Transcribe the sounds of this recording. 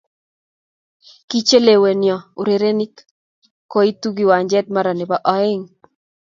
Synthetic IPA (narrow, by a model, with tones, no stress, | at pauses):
ki˦t͡ʃe˦le˨we˨njɔ˨u˨ɾe˨ɾe˦ni˦k | ko˦i˦tu˦ɡi˨wa˨ɲd͡ʒɛ˦t̪̚ma˦ɾa˨nɪ˨ba˨ʔɔ˨˦ɪ˦ŋ